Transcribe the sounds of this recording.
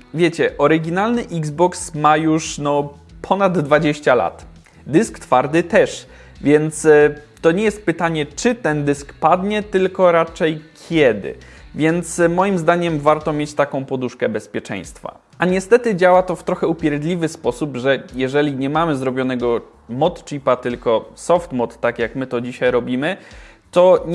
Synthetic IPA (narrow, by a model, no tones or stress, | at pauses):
vʲjet͡ɕɛʔɔɾɘɡʲinalnɘʔiɡzbɔksmajuʂnɔ | pʰɔnad̪ːvad͡ʑeɕt͡ɕala̰t̪ | d̪ɘskt̪faɾd̪ɘt̪ɛʂ | vʲjɛnt̪st̪ɔɲɛjɛst̪̚pɘt̪aɲɛt͡ʂɘt̪ɛnd̪ɘskpad̪ɲɛt̪ɘlkɔɾat͡ʂɛjkʲʰjɛd̪ɘ̰ | vʲjɛnt̪smɔjimzd̪aɲɛmvaɾt̪ɔmʲjet͡ɕt̪akɔ̃w̃pɔd̪uʂkɛbɛspʲjɛt͡ʂɛ̰j̃st̪fa̰ | aɲɛst̪ɛt̪ɘd͡ʑawat̪ɔft̪ɾɔxɛupʲjɛɾd̪lʲivɘspɔsupʐɛjɛʐɛlʲiɲɛmamɘzɾɔbʲjɔnɛɡɔ | mɔt̪t͡ʂipat̪ɘlkɔsɔft̪mɔt̪ːakjakmɘt̪ɔd͡ʑiɕajɾɔbʲimɘ | t̪ɔ